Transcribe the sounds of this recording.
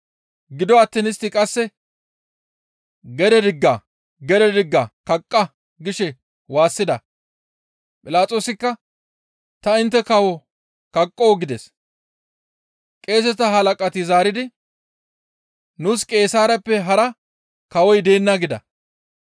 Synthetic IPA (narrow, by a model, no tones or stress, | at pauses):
ɡɪd̪ɔɐt̪ːɛnɪst̪ːɪkʼɐsːɛ | ɡɛd̪ɛd̪ɪɡːɐ | ɡɛd̪ɛd̪ɪɡːɐkɐkʼːɐ | ɡɪʃɛ | waːsːɪd̪ɐ | pʼɪlaːt͡sʼo̞ːsɪkːɐ | t̪ɐɪnt̪ːɛkɐwɔ | kɐkʼːoːɡɪd̪ɛs | kʼe̞ːs̬ɛt̪ɐɦɐlɐkʼɐt̪ɪzaːɾɪd̪ɪ | nuskʼe̞ːsaːɾɐpːɛɦɐɾɐ | kɐwɔjd̪e̞ːnːɐɡɪd̪ɐ̰